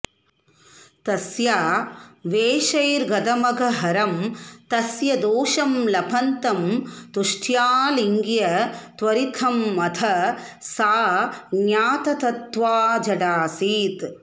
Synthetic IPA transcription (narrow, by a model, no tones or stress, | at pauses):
t̪ɐsjaːʋeːʃɐjɾɡɐd̪ɐmɐɡʱɐɦɐɾɐmt̪ɐsjɐd̪oːʃɐmlɐpʰɐnt̪ɐmt̪uʂʈʰjaːliŋɡjɐt̪ʋɐɾit̪ʰɐmːɐt̪ʰɐsaːɡjaːt̪ɐt̪ɐt̪ʋaːd͡ʒɐɖaːsiːt̪